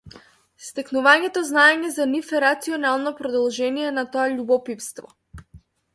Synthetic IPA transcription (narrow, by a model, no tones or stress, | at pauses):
st̪ɛknuvaɲɛt̪ɔznaɛɲɛzanifɛɾat̪siɔnalˠnɔpɾɔd̪ɔlˠʒɛnijɛnat̪ɔaʎubɔpifst̪vɔ